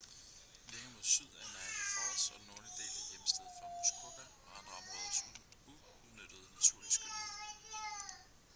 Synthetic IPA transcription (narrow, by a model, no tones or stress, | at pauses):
leŋəmo̝ðˠsyð̞̰ˠæɐdenæɪnəfɑd̥sɒ̽d̥nːɔːlid̥e̝̰ːlæjemsd̥eð̰ˠfɑ̈muskʰoɡ̥æɒænʁɑ̈mʁɛðˠɐsuu | nød̥əð̞̩ˠnæt͡sʰuɐ̰lisɡ̥e